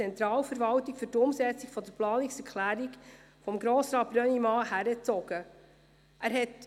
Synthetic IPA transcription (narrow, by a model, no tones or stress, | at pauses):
t͡sɛnt̪ɾɑːlfəɾvɑltikfyɾtʊmsɛt͡siɡfɔd̪əɾplɑːniksɛɾkʰlæːɾiɡ | fɔmɡɾɔːsɾɑːt̚b̥ɾœnimɑːhæɾət͡sɔɡ̥ə | ʔæːɾɦɛt